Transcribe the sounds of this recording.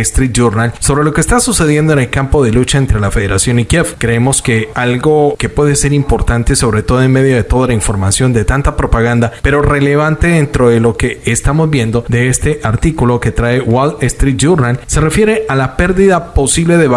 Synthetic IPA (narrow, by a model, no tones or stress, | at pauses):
est̪ɾit̪̚d͡ʒuɾnalso̞βɾe̞lo̞keːst̪asuse̞ðjend̪o̞ene̞lkampo̞ðe̞lut͡ʃae̞nt̪ɾe̞lafe̞ðe̞ɾasjo̞nikjefkɾe̞emo̞ske̞alɡo̞ke̞pwe̞ðe̞se̞ɾimpo̞ɾt̪ant̪eso̞βɾe̞t̪o̞ðoe̞nme̞ðjo̞ðe̞t̪o̞ðalaiɱfo̞ɾmasjo̞nd̪e̞t̪ant̪apɾo̞paɣ̞and̪ape̞ɾo̞re̞le̞βant̪e̞ðent̪ɾo̞ðe̞lo̞ke̞ːst̪amo̞zbje̞nd̪o̞d̪e̞est̪e̞ʔaɾt̪ikulo̞ke̞t̪ɾaewaɡest̪ɾit̪̚d͡ʒuɾnalse̞re̞fje̞ɾe̞ʔalape̞ɾðiðapo̞siβle̞ðe̞β